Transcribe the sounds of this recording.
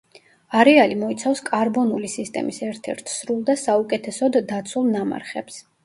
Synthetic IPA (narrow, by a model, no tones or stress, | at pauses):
aɾɛalimɔit̪sʰafskʼaɾbɔnulisist̪ʼɛ̰misɛɾt̪ʰɛ̰ɾt̪ʰsɾulˠd̪asaukʼɛt̪ʰɛsɔd̪ːat̪sʰulˠnama̰ɾχɛps